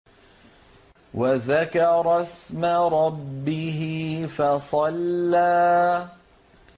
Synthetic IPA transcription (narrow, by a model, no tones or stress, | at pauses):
waðakɑɾˤɑsmaɾˤɑbːɪɦɪfɑsˤɑlːaː